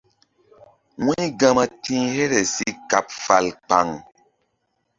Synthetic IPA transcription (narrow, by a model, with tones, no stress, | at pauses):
wi˦ɡã˦ma˨tĩ˦he˦ɾe˨si˦ka˨pfa˨lk͡pa̰˨ŋ